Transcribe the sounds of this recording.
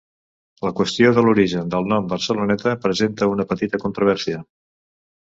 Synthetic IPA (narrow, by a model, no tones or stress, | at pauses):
ləkwəst̪ioðəluɾiʒənd̪əlˠnɔmbəɾsəlunɛt̪əpɾəzent̪əunəpət̪it̪əkunt̪ɾuβɛɾsiə